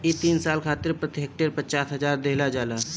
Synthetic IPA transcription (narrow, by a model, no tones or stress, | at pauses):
et̪iːnsaːlkʰaːt̪ɪɾpɾət̪ɪɦeːk̚ʈəɾpət͡ʃaːsɦəzaːɾd̪eɦlad͡ʒaːlaː